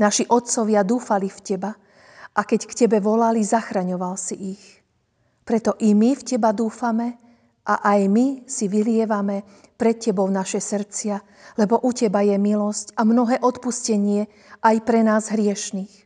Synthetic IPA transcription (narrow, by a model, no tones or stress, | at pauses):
naʃiʔɔt̪̚t͡sɔʋɪad̪uːfalifcɛba | ʔakɛckcɛbɛʋɔlalizaxɾaɲɔʋalsiʔix | pɾɛt̪ɔʔimifcɛbad̪uːfamɛ | ʔa̰ʔajmisiʋilɪɛʋamɛ | pɾɛt̪cɛbɔʊnaʃɛsr̩t͡sɪa | lɛbɔʔucɛbajɛmilɔscamnɔɦɛːʔɔt̪puscɛɲɪɛ | ʔajpɾɛnaːzɦɾɪɛʃniːx